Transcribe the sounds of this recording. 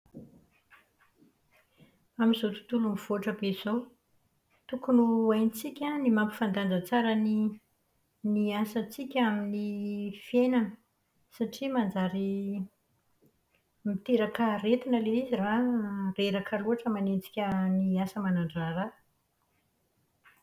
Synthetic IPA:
amizot̪u̥t̪ulumiv̥oaʈ͡ʂəbeiz̥o | t̪ukunuajnit͡sikʲanimampi̥fand̪and͡zət͡saɾəni | niasət͡sikʲaminifienanə | saʈ͡ʂimand͡zaɾi | mit̪eɾakəɾet̪inəleizirareɾakaluaʈ͡ʂəmanet͡si̥kʲəniasəmanaɳɖ͡ʐara

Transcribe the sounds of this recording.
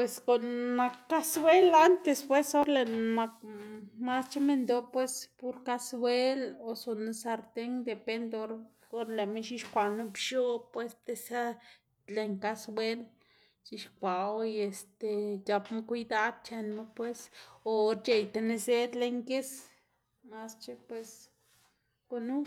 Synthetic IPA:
pweskonmakkːaswelant̪espwesoɾlemakmast͡ʃemend̪opwespuɾkaswelosonusaɾt̪eŋd̪epend̪oɾ | oɾlemeʃiʃkʷanopʃopwest̪esa | leŋkasbwel | t͡ʃiʃkʷawest̪ejapmakʷid̪ad̪̚t͡ʃenmepwesoɾt͡ʃejt̪eneset̪leŋkes | mast͡ʃepwes | konu

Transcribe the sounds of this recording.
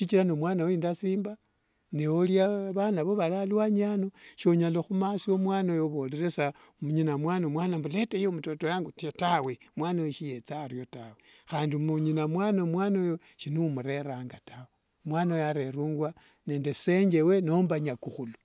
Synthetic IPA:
ʃit͡ʃilanomwaːnaweindasiːmba | neoljaβanaβoβalalwaɲanoʃoɲaloxumasiomwaːnojoβoleɾesamuɲinamwanomwanambuletejemutotojaŋɡutawemwaːnajeʃijet͡saɾjotawexaːndimuɲinamwanomwanojoʃinumuɾe̞ɾaːŋɡatawe | mwanaojaɾe̞ɾuːŋɡwa | ne̞ːnde̞seɲd͡ʒe̞we̞nombaɲakuxulu̥

